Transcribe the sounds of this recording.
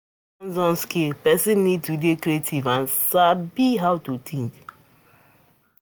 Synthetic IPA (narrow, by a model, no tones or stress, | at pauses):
ɔ̃nzɔ̃nskepɛsĩnːid̚tudekɾietʰivãnsabiɦawtutʰĩŋk